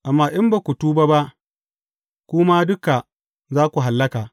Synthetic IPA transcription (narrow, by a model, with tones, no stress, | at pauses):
ʔa˨mːaː˦ʔɪ˦mba˨kʷu˨tuː˦ba˦ba˦ʔ | kʷʊ˦ma˦dʊ˦ka˨ | zaː˦kʷu˨ɦa˨lːɐ˦kaː˨